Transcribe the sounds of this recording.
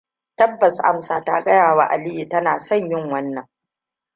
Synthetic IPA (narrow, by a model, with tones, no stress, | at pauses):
tɐ˦bːɐ˨sʔa̰˦msaː˨ta˦kʼɐ˦jaː˨waː˦˨ʔa̰˨lɪ˦ji˨tɐ˦naː˨sɔ˦˨ɲjɪ˦˨ŋwɐ˦nːɐ˨ŋ